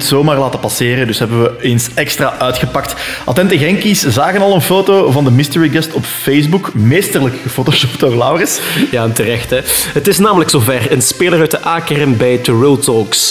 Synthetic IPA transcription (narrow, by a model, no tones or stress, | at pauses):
tsoːmaːrlaːtəpɑseːɾəndɵsɦɛbənʋəeːnsɛkstraːʔœːtxəpɑk̚tʔɑ̰tɛntəɣɛŋkiszaːɣənɑlˠənfoːtoːvɑndəmɪstəɹiɡɛstɔpfejzbukmeːstərləkəfoːtoʃopdoːrlawrɪsjaːəntərɛxtɛɦətɪsnaːmələksoːvɛrənspeːləɾœɥt̚əʔaːkɛrɛmbɛjtəɹɪlˠtɔks